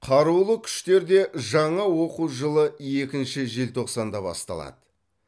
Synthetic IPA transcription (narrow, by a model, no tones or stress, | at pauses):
qʰɑɾulˠəkʲʰʏ̥ʃt̪e̞ɾd̪e̞ʒɑɴɑwo̞quwʒəlˠəje̞kʲɪnʃɪʒe̞lt̪ʰo̞qsɑnd̪ɑbɑ̰st̪ɑ̰lˠɑ̰d̪ə